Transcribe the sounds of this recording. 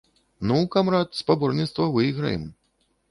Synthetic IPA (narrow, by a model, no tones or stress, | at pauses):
nuwkamɾat̪spabɔrnʲit̪st̪vɐvɨjɣɾɐ̰jɛ̰m